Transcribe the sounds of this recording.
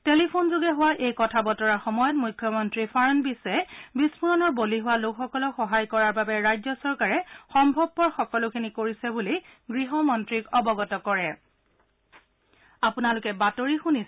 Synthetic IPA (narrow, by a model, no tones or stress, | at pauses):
telipʰonzoɡɛɦʊwaʔejkɔtʰabɔtɔɹaɹxɔmɔjɔt̚mujkʰːjɔmɔntɹifaɹɔnbisɛɛbismuɹɔnɔɹboliɦʊwalokxɔkɔlɔxɔɦajkɔɹaɹbabɛɹajzɔsɔɹkaɹɛxɔmbʱɔb̚ːɔɹxɔkɔlʊkʰinikoɹisɛbuliɡɹiɦɔmɔntɹikɔbɔɡɔtɔkɔɹɛ | apunalʊkɛbatoɹixuni